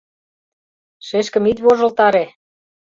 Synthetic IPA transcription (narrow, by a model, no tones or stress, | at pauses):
ʃeʃkə̆mit̪ʲβoʒə̆lt̪ɑɾe